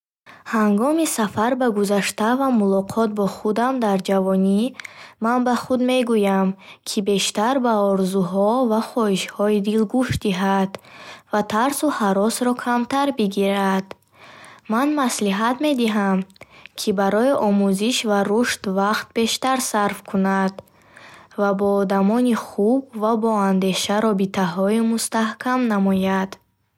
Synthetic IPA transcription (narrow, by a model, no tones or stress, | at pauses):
haŋɡɔmisafaɾbaɡuzaʃt̪avamulɔqʰɔt̪̚bɔχud̪amd̪aɾd͡ʒavɔnimanbaχud̪me̞ɡujamkʰibe̞ʃt̪aɾbaɔɾzuɦɔvaχɔhiʃhɔid̪ilɡuʃt̪̚d̪iɦad̪̥vat̪ʰaɾsuhaɾɔsɾɔkʰamt̪aɾbiɡiɾad̪̥ | manmasliɦat̪me̞d̪iɦamkʰibaɾɔiʔɔmuziʃvaɾuʃt̪vaqt̪̚be̞ʃt̪aɾsaɾfkʰunad̪ | vabɔːd̪amɔniχub̚vabɔand̪e̞ʃaɾɔbit̪ʰaɦɔimust̪ahkʰamnamɔjad̪̥